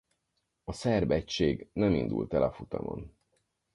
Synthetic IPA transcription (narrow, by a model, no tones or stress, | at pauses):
ɒsɛrbɛct͡ʃːeːɡnɛmind̪ṵlt̪ɛlɒfut̪ɒmo̰n